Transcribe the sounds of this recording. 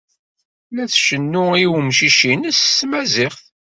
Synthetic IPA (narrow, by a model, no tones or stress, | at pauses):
læθʃənːʊiwmʃiʃinəsːmæzɪχθ